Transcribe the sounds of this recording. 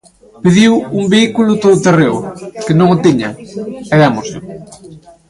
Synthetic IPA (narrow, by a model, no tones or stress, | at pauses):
peðiwumbeikulʊt̪oðʊt̪erewkɪnõŋʊt̪iɲɐɛðamosɪ